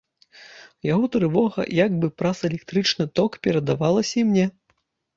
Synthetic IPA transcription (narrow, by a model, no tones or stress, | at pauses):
jaɣɔt̪ɾɨvɔɣɐ̰jaɡbɨpɾasɛlʲɛkt̪ɾɨt͡ʂnɨt̪ɔkpʲɛɾɐd̪avalˠɐsʲɐimnʲɛ